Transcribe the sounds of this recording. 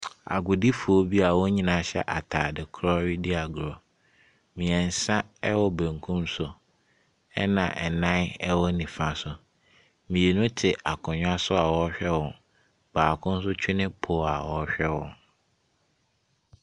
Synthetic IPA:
a̰˨ɡʊ˨di˦fʊ˨o˦bi˦a˨wɔ˦ɲĩ˨nã˨ɕɛ̰˦ʔa˨tʰaː˨dɪ˨kʰɾɔ˦ɥi˦di˦a˨ɡʊ˨ɾɔ˨ | mĩ˨ɛ̃˨n̩˨sã˦ɛ˦wɔ˨bæ̃˨ŋkʰũ˦msʊ˨ | ɛ̰˦nã̰˨ʔɛ˨nã˦ɛ˦wɔ˦nĩ˨fã˦sʊ˨ | mĩ˨je˨nʊ̃˦tʰɪ˨ʔa˨kʰʊ̃˨ɲᶣʊ˦a˦sʊ˦a˨wɔ˦ɕᶣɛ˦wɔ̃˨n | b̥aː˨kʰʊ̃˦n̩˦s̬ʊ˦t͡ɕʰᶣɪ˦nɪ̃˦pʰʊ˨˦a˨wɔ˨˦ɕᶣɛ˦wɔ̰̃˨n

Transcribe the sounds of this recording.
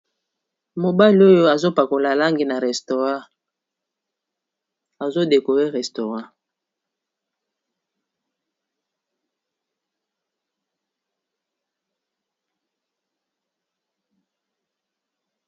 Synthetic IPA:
mo˨ba˦li˦o˦jo˦a˨zo˦pa˨ko˨la˨la˦ŋɡi˨na˨ʁɛ˨sto˨ʁã˦˨ | a˨zo˦de˨ko˨ʁe˦ʁɛ˨sto˨ʁã˦

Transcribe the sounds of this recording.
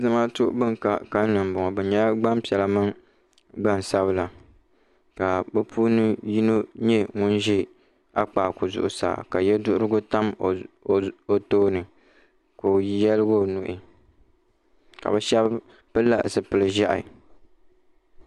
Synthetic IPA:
zɨ˦ma˦tʊ˦ʔbɨ˦ŋ˨ka˨ka˦n˦nɨ˨m̩˨bʊ˨ŋɔ˨bɛ˨ɲa˦ɡ͡ba˦m˦pi˨ɛ˨la˨mɨ˦ŋ | ɡ͡ba˦˨n˨sa˦βɨ˦la˨ | ka˨bɨ˦pʰu˦nɨ˦ji˦no˦ɲɛ˦ŋʊ˦nʒi˦ | a˦k͡pa˨ko˨zʊ̰˨ʔʊ˨sa̰ː˨ka˨jɛ˦dʊ˦ʔʊ˦ɾɨ˦ɡʊ˦ta˦m˨ | o˨toː˦nɨ˨ | ko˨˦jɛ˦lɨ˦ɡo˦˨nu˨ʔɪ˨ | ka̰˨bɛ˨ʃɛ˦b | pɨ˦la̰˨ʔsɨ˨pɨ˨lɨ˨ʒa˦ʔɪ̰˨

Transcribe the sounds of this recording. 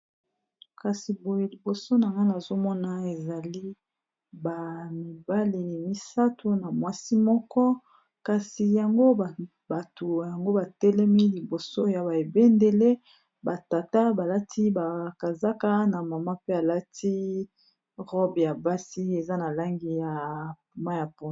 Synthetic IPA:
ka˨si˨bo˨je˦li˨bo˨so˦na˨ŋɡa˦na˨zo˦mɔ˦na˦e˨za˨li˦ | ba˨mi˨ba˦li˨mi˦sa˦tʰo˦na˨mwa˦si˦mɔ˦kɔ˦ | ka˨si˨ja˨ŋɡo˦˨ | ba˨to˨ja˨ŋɡo˦ba˨tɛ˦lɛ˦mi˦li˨bo˨so˦ja˨ba˨e˨be˦nde˨le˦ | ba˨ta˨ta˦ba˨la˦tʰi˦ba˨ka˨za˦ka˦na˨ma˨ma˦pe˦a˨la˦ti˦ | ʁɔ˦bja˨ba˦si˦e˨za˦na˨la˦ŋɡi˦ja˨ | ma˦ja˨po˨

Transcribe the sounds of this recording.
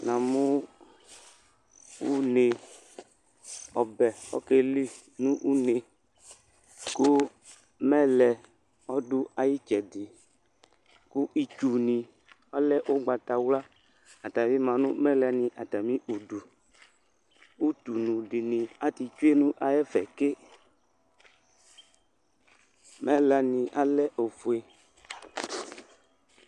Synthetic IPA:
nã˨mʊ̃˦ | wu˦ne˨ | ɔ˨bɛ˨ɔ̰˦ke˦li˦ | nũ˦ʔu˦ne˨ | kʊ˦ | mɛ˦lɛ˨ | ɔ˦dʊ˦a˨ji˦t͡ʃɛ˨dɪ˨ | kʊ˦ʔi˨t͡ʃu˨nĩ˨ | ɔ˦lɛ˦ʔʊ˦ɡ͡ba˨t̪a˨wla˦ | a˨t̪a˨mĩ˦mã˨nʊ̃˦mɛ̃˦lɛ˨nĩ˨ʔa˨t̪a˨mĩ˦ʔu˨du˨ | u˦t̪u˨nũ˨ɖɪ˨nĩ˨a˦t̪i˨t͡ʃu˦e˦nũ˦ʔa˨jɛ˦fɛ̰˨ke˦ | mɛ˦lɛ˨nĩ˨ʔa˦lɛ˦ʔo˨fu˨e˨

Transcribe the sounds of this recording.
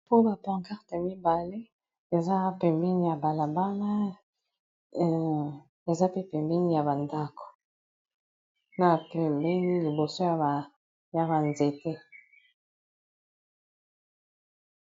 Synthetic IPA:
po˦ba˨pã˨ŋka˦ʁta˨mi˦ba˨le˦ | e˨za˦pɛ˨mbɛ˦ni˦˨ja˨ba˨la˨ba˦la˦˨ | e˨za˦pe˦pɛ˨mbi˦ni˦ja˨ba˨nda˦ko̥˨ | na˨pɛ˨mbɛ˦ni˦li˨bo˨so˦ja˨ba˨ | ja˨ba˨nze˨te˦

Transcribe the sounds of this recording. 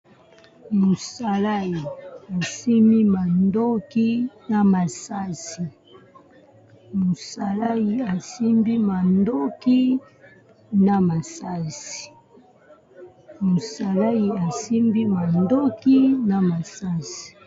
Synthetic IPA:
mo˨sa˦la˦ji˨a˨si˦mi˦ma˨ndo˦ki˦na˨ma˨sa˦si˨ | mo˨sa˨la˦ji˨a˨si˦mbi˦ma˨ndo˦ki˦ | na˨ma˨sa˦si̥˨ | mo˨sa˨la˦i˨a˨si˦mbi˦ma˨ndo˦ki˦na˨ma˨sa˦si̥˨

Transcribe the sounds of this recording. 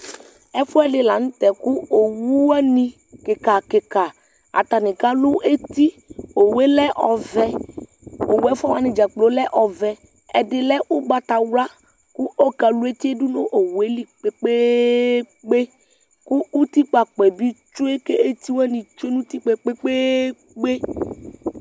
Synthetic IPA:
ɛ˦fu˦ɛ˦ɖɪ˨la˨nũ˦t̪ɛ˨ku˦o˨wu˦wa˦nĩ˨ | ke˨ka˨ke˨ka˨ | a̰˨t̪a˨nɪ̃˨ka˦lu˦e˦t̪i˦ | o˨we˦lɛ˦ʔɔ˨vɛ˦ | o˨wɛ˦fɔ˦wa˦nɪ̃˨d͡ʒa˨k͡plo˨˦lɛ˦ʔɔ˨vɛ˨ | ɛ˨dɪ˨lɛ˦u˦ɡ͡ba˨t̪a˨wla˦ | ku˦o˦ka˨lu˦e˦t̪i˦e˦du˦no˦ʔo˨we˦li˦k͡pe˦k͡pe˦ | k͡pe˦ | ku˦u˦t̪i˦k͡pa˨k͡pɛ˨bi˦t͡ʃo˦e˦ke˦e˦t̪i˦wa˦nĩ˨t͡ʃe˦nũ˦t̪i˦k͡pe˦k͡pe˦k͡pe˦ | k͡pe˦

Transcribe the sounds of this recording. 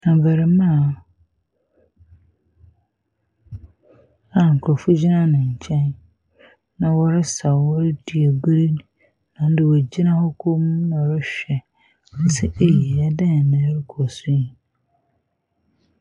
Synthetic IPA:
ã˨vɛ˨ɾɪ˨mã˦˨ | ã˨ŋ̩˨kʰɾɔ˨fʊ˦d͡ʑi˦nã˦nʊ̃˨ɲ̩˨t͡ɕʰɛ̃˦n | nã˨wɔ˦ɾɪ˦sa˨wɔ˦ɾɪ˦di˨ɛ˨bɪ˦ɾi˦n˨ | nã˨n̩˦dɪ˨wɔ˨d͡ʑi˦nã˦hɔ˦kʰo˦mũ˦nɔ̃˨ɾɪ˦ɕᶣɛ˨ | ɔ˦sɪ˦ʔe˦je˨a˦dã˦n˨nã˨˦ɾɪ˦kʰɔ˨sʊ˦i˨

